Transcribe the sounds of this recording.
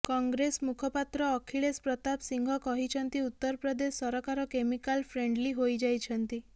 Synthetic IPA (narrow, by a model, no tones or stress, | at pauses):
kɔŋɡɾesmukʰɔpat̪ɾɔːkʰiɭespɾɔt̪apsiŋɡʱɔkɔɦit͡ʃʰɔnt̪iut̪ːɔɾpɾɔd̪esːɔɾɔkaɾɔkemikalpʰɾeɳɖliɦojd͡ʒajt͡ʃʰɔnt̪i